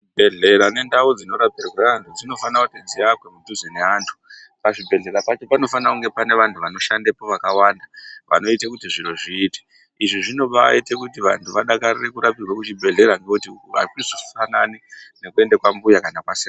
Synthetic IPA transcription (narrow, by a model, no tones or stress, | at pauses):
bʱeɮe̞ɾane̞ndaud͡zino̞ɾapirweantʰud͡zino̞fanakutid͡ziakwemuduzene̞aːntʰu̥ | paʐibʱe̞ɮe̞ɾapat͡ʃo̞pano̞fanakuŋɡe̞pane̞ʋantʰuʋano̞ʃandepo̞ʋakawaːndaʋa̰no̞itekutiʐiroʐiːte̥ | iʐiʐino̞ɓa̰itekutiʋa̰ntʰuʋaɗakarire̞kuɾapirwakut͡ʃibʱe̞ɮe̞ɾaŋɡekutia̰kisu̥fananine̞kue̞ndekwambujakanakwasea